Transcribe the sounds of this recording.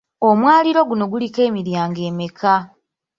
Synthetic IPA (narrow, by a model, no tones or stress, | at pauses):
o̞mwaːliɾo̞ɡuno̞ɡulike̞ːmiɾjaːŋɡe̞ːmekʰa